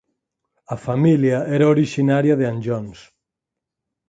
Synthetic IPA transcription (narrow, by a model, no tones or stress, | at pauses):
ɐfamiljaɛɾaoɾiʃinaɾjaðeanʒɔns